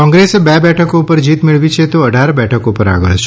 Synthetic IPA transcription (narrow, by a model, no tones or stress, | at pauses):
kɔ̃ŋɡɾesebɛbɛʈʰəkoupəɾd͡ʒit̪mɪɭʋit͡ʃʰet̪oəɖʱaɾbɛʈʰəkopəɾa̰ɡəɭt͡ʃʰ